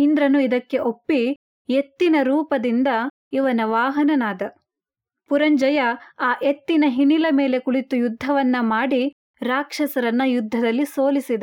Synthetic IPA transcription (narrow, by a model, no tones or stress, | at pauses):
ind̪ɾɐnuid̪ɐkːe̞ʔo̞pːi | et̪ːinɐɾuːpɐd̪ind̪ɐ | iʋɐnɐʋaːɦɐnɐnaːd̪ɐ | puɾɐɲd͡ʒɐjɐaːʔet̪ːinɐɦiɳilɐmeːle̞kuɭit̪ujud̪ʱːɐʋɐnːɐmaːɽi | ɾaːkʂɐsɐɾɐnːɐjud̪ʱːɐd̪ɐlːiso̞ːlisid̪ɐ